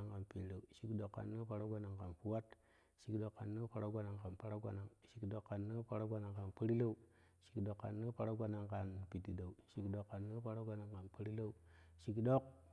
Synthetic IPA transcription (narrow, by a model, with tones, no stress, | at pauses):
a˨ŋka˨npi˨n˨la˨u˨ʃi˨kdo˨kːa̰˨nːə˦pa˦ɾa˦ɡʷa˦na˨ŋka˨npu˦wa˦t | ʃi˨kdo˨kːa˨nːə˦pa˦ɾa˦ɡʷa˦na˨ŋka˨npa˦ɾa˦ɡʷa˦na˨ŋʃi˨kdo˨kːa˨nːə˦pa˦ɾa˦ɡʷa˦na˨ŋka˨npə˦ɾi˦la˦u˦ | ʃi̥˨kdo˨kːa̰˨nːə˦pa˦ɾa˦ɡʷa˦na˨ŋka˨npi˨ti˨da˨u˨ʃi˨kdo˨kːa˨nːə˦pa˦ɾa˦ɡʷa˦na˨ŋka˨npə˦ɾi˦la˦u˦ʃi˨kdo˦k̚